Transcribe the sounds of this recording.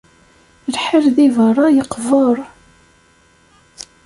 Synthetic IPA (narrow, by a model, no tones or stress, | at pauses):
lħəɾðivərˤːɑjəqvəɾˤ